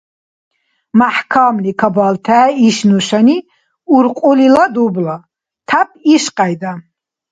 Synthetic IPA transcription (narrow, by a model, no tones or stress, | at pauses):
maħkʰamlikʰabalt̪ʰaːiʃnuʃani | uɾqʼulilad̪ubla | t̪ʰap̚ʰʼiʃqʼajd̪a